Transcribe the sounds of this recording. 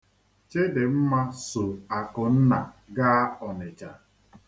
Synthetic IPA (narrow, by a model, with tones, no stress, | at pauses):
t͡ʃe˦dɪ˨m̩˦ma˦sʊ˨a˨kʊ˨n̩˦na˨ɡa˦ɔ˨nɪ˨t͡ʃa˨